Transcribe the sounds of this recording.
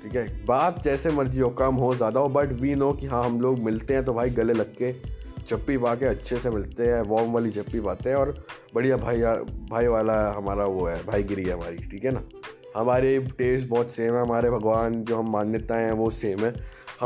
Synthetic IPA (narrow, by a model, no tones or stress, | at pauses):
ʈʰiːkɦɛbaːt̪̚d͡ʒɛːsemɐɾd͡ʒiɦokɐmɦozjaːd̪aɦobɐʈʋiːnokiɦãɦɐmloːɡmɪlt̪eɦɛ̃t̪obʱaːiɡɐlelɐɡket͡ʃɐpːipaːkeɐtːʃʰesemɪlt̪eɦɛ̃ʋɔːmʋaːlit͡ʃɐpːipaːt̪ẽɦɛ̃ɔːɾbɐɽijabʱaːiabʱaːiʋaːlaɦɐmaːɾaʋoɦɛːbʱaːiɡɪɾiɦɛɦɐma̰ːɾiʈʰiːkɦɛnaː | hɐmaːɾeʈeːsʈbɔːt̪seːmɦɛ̃ɦɐmaːɾebʱɐɡʋaːnd͡ʒoːɦɐmːãːnjət̪aɦɛ̃ʋoseːmɦɛ̃ːhɐ